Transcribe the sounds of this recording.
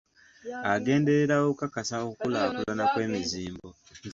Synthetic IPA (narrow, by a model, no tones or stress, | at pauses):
aɡe̞ːnde̞ɾeɾawoβukakasaokulaβakulanakwe̞ːmiziːmbo